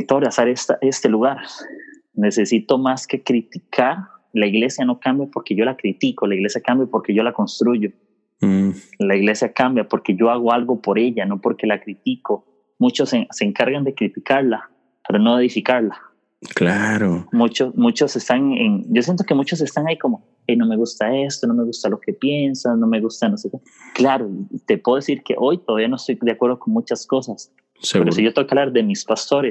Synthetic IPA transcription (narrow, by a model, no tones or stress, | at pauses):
t̪oɾjasaɾest̪aʔe̞st̪e̞luɣaɾ | ne̞se̞sit̪o̞maske̞kɾit̪ikʰaɾlaiɣle̞sjano̞kambjapo̞ɾke̞ʝolakɾit̪iko̞laiɣle̞sjakambjapoɾke̞ʝo̞lako̞nst̪ɾuʝo | laiɣle̞sjakambjapoɾke̞ʝo̞aɣoalɣo̞po̞ɾe̞ʎano̞po̞ɾke̞lakɾit̪iko | mut͡ʃo̞sese̞ːŋkaɾɣand̪e̞kɾit̪ikaɾla | peɾono̞eðifikaɾla | klaɾomut͡ʃosmut͡ʃo̞se̞st̪aŋḛŋɟ͡ʝos̬jent̪o̞kemut͡ʃo̞s̬est̪aŋaiko̞mo | ejno̞me̞ɣust̪ae̞st̪ono̞me̞ɣust̪alo̞ke̞pje̞nsasno̞me̞ɣust̪anoseke | klaɾot̪e̞pweðoesiɾke̞̰ʔo̞jt̪oðaβianoest̪o̞jd̪eakwe̞ɾðo̞ko̞ŋmut͡ʃasko̞sas | sepeɾosiʝot̪okaβlaɾd̪e̞mispast̪o̞ɾes